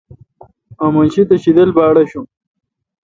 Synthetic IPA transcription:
ɐmɐnɕit̪ɐɕid̪ɐlbaːɽɐɕu

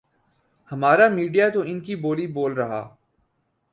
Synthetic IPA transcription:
hɐmaːɾamiːɖijat̪oɪnkiboːliboːlɾɐɦa̰ː

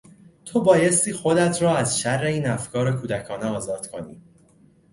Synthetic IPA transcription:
t̪ʰobɒːjest̪iːxo̞d̪æt̪ʰɾɒːæzʃærːe̞iːnæfkʰɒːɾekʰuːd̪ækʰɒːneɒːzɒːd̪̥kʰo̞nḭː

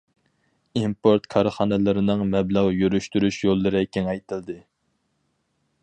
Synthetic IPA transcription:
impoɾt̪kʰɑɾχɑːnɨlˠɨɾɨnɨŋmɛbləʁjøɾyʃt̪yɾyʃjolˠːɨɾɨkʲʰeŋɛjt̪ʰɪld̪ɨ

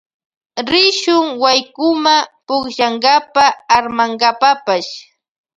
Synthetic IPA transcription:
ɾɪʃʊŋwajkʊmapʊχʃaŋɢapaːɾmaŋɢapapaʃ

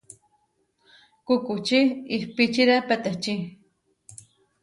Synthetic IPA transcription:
kukut͡ʃiihpit͡ʃiɾapet̪eht͡ʃi

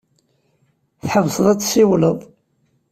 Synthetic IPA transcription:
θħəvsðˤæt͡sːsiwləðˤ

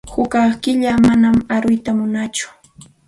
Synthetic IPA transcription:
hʊkɑχkɪʎamanamaɾʊjt̪amʊnat͡ʃʊ̥

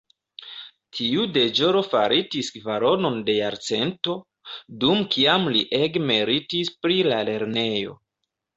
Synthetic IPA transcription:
tʰiude̞d͡ʒoɾo̞faɾitisvaɾo̞no̞nde̞jaɾt͡se̞nto̞ | dumkʰiamliʔeɡmeɾitispɾilale̞ɾne̞jo̞̰

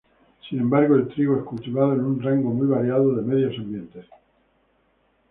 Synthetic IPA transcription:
sinẽ̞mbaɾɣoe̞lt̪ɾiɣoeskult̪iβaðoenunraŋɡo̞mujβaɾjaðoðe̞me̞ðjo̞sambje̞nt̪es

